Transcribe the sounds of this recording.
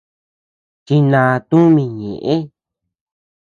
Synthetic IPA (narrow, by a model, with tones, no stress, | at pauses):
t͡ʃi˧nã˧t̪ũ˦mĩ˧ɲḛ̃˨ʔẽ˦